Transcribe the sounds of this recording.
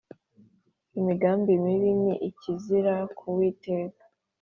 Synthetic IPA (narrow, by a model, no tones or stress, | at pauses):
imiɡaːmbimiβimiʔiciziɾakʰuwiːte̞ːkḁ